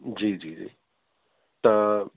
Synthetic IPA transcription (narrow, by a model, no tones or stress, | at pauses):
d͡ʒiːd͡ʒiːd͡ʒḭː | t̪a